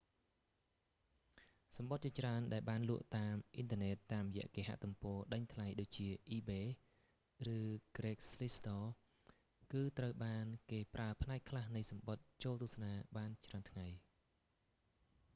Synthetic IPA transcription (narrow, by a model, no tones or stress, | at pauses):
sɑmɓot̪̚t͡ɕiət͡ɕraənɗaɛlɓaːnlŭəʔt̪aːmʔint̪ʰə̆ənɛːt̪ːaːmrjɛ̆əʔkeːɦa̰ʔt̪umpɔːɗəɲt̪ʰlajɗoːc̚t͡ɕiəʔiːɓeː | rɨːkreːk̚slist̪ɔː | kɨːt̪rəwɓaːnkeːprʔaəpʰnaɛk̚ʰlahnɨjsɑmɓot̪̚t͡ɕoːlt̪ŭəsanaːɓaːnt͡ɕraənt̪ʰŋaj